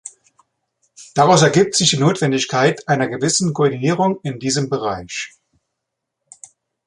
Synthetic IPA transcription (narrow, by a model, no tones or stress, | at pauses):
d̥aʁaʊsɛɐɡiːp̚tz̥ɪçd̥iːnoːtv̥ɛndɪçkʰaɪtʔaɪnɐɡəvɪsn̩kʰoɔɐdiniːʁ̞ʊŋɪndiːzəmbəʁ̞aɪç